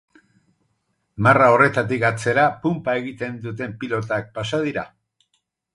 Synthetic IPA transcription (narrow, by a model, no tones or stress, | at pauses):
marao̞re̞t̪at̪ikat͡se̞ɾapumpae̞ɣit̪e̞nd̪ut̪e̞mpilo̞t̪ak̚pasað̞iɾa